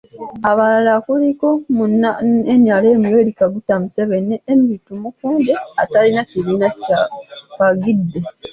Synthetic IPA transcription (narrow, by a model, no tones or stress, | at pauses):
aβalalakuliko̞munaenjaleːmiwe̞likaɡutːamuseβeneːmiitumukuːndeatalinaciɾinacaβaɡidːe